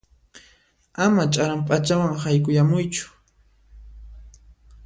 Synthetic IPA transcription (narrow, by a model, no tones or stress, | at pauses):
amat͡ʃʼaɾampʼat͡ʃawaŋhajkʼʊjamʊjt͡ʃʊ̥